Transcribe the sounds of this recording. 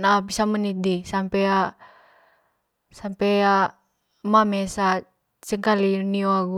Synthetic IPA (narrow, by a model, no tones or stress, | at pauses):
nabisamənit̪̚disampɛa | sampɛa | mamesa | səŋkalinioaɡu